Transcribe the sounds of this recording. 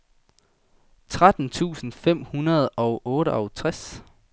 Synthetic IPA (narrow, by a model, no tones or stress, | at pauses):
t͡sʰʁad̥n̩t͡sʰṵːsn̩fem̰hunɐð̞ˠɒ̽ʊʔɔːɾəʔɒ̽ʊt͡sʰʁas